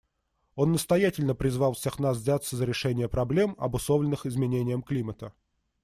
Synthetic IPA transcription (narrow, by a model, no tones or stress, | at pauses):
o̞nːəst̪ɐjætʲɪlʲnəpɾʲɪzvɑlˠfsʲexnas̬zʲat̪sːəzəɾʲɪʂɛnʲɪjəpɾɐblʲe̞mɐ̰bʊslˠovlʲɪnɨxɪzmʲɪnʲenʲɪjəmklʲimət̪ə